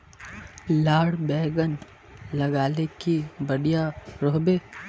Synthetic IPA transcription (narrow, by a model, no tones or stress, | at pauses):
laːɽbɛːɡən | lɐɡaːlekibɐɽijaɾoːɦbe